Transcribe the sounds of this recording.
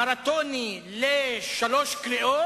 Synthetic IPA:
aɾat̪oni | leʃaloʃkɾiʔo

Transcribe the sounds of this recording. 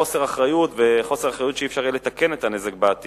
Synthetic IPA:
ose̞ʁaχʁajutveχo̞se̞ʁaχʁajut̪ʃeifʃaʁile̞t̪akenet̪ane̞zek̚baat̪i

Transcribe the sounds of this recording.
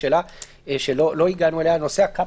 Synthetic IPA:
ela | eʃeloloiɡanueleanoseakːa

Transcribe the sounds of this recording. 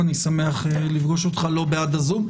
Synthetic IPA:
anisame̞aχlifɡo̞ʃo̞t̪χalo̞bead̪azum

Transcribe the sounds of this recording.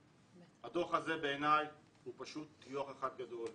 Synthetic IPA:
had̪oχaze̞beːnaj | hupaʃut̪ːjuaχeχad̪̚ɡado̞l

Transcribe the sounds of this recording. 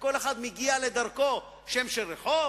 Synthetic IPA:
ko̞leχad̪miɡialed̪aʁko̞ | ʃemʃeʁeħo

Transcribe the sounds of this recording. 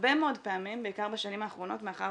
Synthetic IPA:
bemeo̞dpeamimbeikaʁbaʃanimaːχʁo̞no̞tmeaχa̰

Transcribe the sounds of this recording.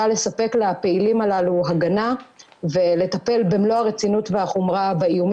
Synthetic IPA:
ale̞sape̞klape̞ilimalaluɦaɡana | ve̞le̞t̪ape̞lbemlo̞haʁet͡sinutveaχomʁabaijum

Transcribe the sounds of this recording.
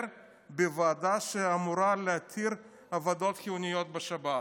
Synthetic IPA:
ɾ | bevaːd̪aʃeamuɾaleat̪ʰiɾ | avad̪o̞t̪xijunijo̞t̪̚beʃaba

